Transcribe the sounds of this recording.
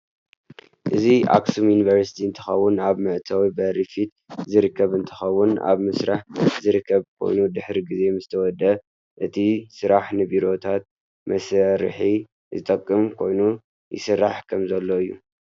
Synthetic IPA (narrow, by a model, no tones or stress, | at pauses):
ʔɨziʔa̰ksumjunivɐɾsi̥t̪ʰiɨnt̪ʰɨ̥xɐwːʊnaβmɨʕt̪ʰawibɐɾifit̪ | zɨɾɨkʰːɐβɨnt̪ʰɨ̥xɐwːʊna̰βmɨsɾaħzɨɾɨkʰːɐβkʰo̞̰jnud̪ɨħɾiɡize̞mɨzɨt̪ʰɐwɔd̪ɐ | ʔɨt̪ʰisɨɾaħnɨbiɾo̞t̪ʰat̪̚ | mɐsɐɾħi | zɨt̪ʼɐkʼːɨmkʰo̞̰jnu | jɪ̰sɨrːaħkʰɐmzɐlːo̞ɨjːṵ